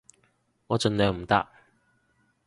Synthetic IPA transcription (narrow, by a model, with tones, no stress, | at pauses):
ŋɔː˨˧t͡ʃɵ˧nlœː˨˧ŋm̩˨˩t̪a̰ː˥k̚